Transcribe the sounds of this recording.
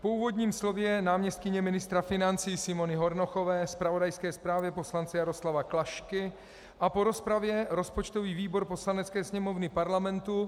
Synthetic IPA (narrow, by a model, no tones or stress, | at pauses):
pouːvo̞d̪ɲiːmslo̞vjɛnaːmɲɛst̪kɪɲɛmɪnɪst̪ɾafɪnant͡siːsɪmo̞nɪɦo̞ɾno̞xo̞vɛːspɾavo̞dajskɛːspɾaːvjɛpo̞slant͡sɛjaɾo̞slavaklaʃkɪ | ʔapo̞ɾo̞spɾavjɛɾo̞spo̞t͡ʃt̪o̞viːviːbo̞ɾpo̞slanɛt͡skɛːsɲɛmo̞vnɪpaɾlamɛnt̪u